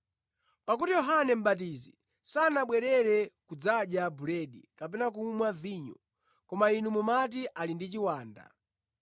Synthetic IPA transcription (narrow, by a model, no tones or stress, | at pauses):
pak̬utijɔɦanɛm̩ɓat̬iːzḭ | sanaɓwɛɾɛɾɛkud͡zaɗjabuɾɛɗikapɛnak̬uːmwaviːɲɔ̰ | kɔmainumumat̬iʔalindit͡ʃiwaːnda̰